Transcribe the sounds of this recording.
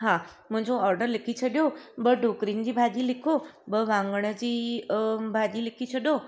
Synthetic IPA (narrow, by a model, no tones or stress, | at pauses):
ɦamə̃ɦɪ̃ɲd͡ʑoɔːɾɖəɾlɪkʰit͡ʃʰəɗjobəɖʱokɾind͡ʑibʱad͡ʒilɪkʰobəʋãŋɡəɽ̃əd͡ʑiː | bʱadilɪkʰit͡ɕʰəɗo